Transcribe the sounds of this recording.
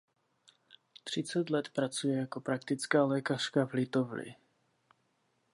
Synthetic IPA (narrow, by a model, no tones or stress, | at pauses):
t̪r̝̥ɪt͡sɛt̪lɛt̪pɾat͡sujɛjako̞pɾakt̪ɪt͡skaːlɛːkar̝̥kavlɪt̪o̞vlɪ̰